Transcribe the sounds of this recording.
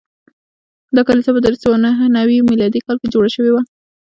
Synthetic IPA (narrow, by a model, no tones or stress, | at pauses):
d̪ɑkalisapəd̪əɾsawanaɦnawimilɑd̪ikɑlked͡ʒoɽaʃəwewa